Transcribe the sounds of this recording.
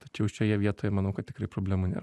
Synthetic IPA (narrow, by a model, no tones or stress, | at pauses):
t̪ɐt͡ʃʲɛʊʃʲoːjɛʋʲiɛt̪oːjɛmɐnɐʊkɐt̪̚ʲtʲɪ̥kɾɐɪpɾoːbʲlʲæːmʊnʲḛːɾɐ